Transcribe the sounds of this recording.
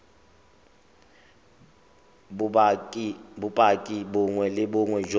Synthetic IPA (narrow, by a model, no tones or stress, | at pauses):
bʊpʼakʼibʊŋwɛlɪbʊŋwɛd͡ʒ